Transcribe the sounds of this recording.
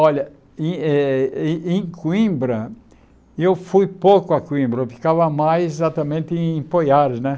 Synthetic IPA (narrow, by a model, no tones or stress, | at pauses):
ɔʎɐ | ẽɛ | ẽj̃kwĩmbɾɐ | ewfujpowkʊɐkwĩmbɾɐewfi̥kavɐmajzezat̪ɐmẽnt̪ɪẽĩpojaɾɪznɛ